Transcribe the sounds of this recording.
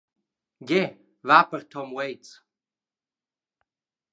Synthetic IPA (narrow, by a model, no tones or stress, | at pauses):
ɡʲe | vapʰʼərt̪ʰɔmwejt͡sʼ